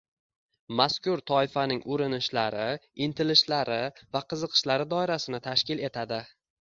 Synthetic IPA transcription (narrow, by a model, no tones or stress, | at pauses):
maskʲʊɾt̪ʰɒɪfanɪŋʔʊɾɪnɪʃlaɾɪɪnt̪ʰɪlɪʃlaɾɪvaqʰɨzɨqʰɨ̥ʃlaɾɪd̪ɒɪɾasɪnɪt̪ʰaʃkʲɪle̞t̪ʰad̪ɪ